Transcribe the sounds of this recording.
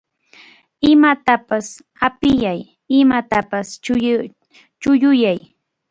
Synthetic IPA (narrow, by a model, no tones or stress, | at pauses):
ɪmat̪apas | apɪjaj | ɪmat̪apas | t͡ʃʊjʊjaj